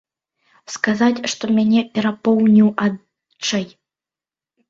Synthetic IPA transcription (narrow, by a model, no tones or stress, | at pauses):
skazat͡sʲʂt̪ɔmʲanʲɛpʲɛɾapɔwnʲiwad̪ | t͡ʂɐj